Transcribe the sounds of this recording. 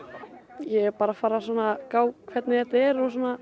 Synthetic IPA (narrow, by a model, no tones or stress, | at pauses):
jɛpaːɾafaːɾasɔnakaːwkʰvɛt̪nɪθɛht̪aɛɾɔs̬ɔːna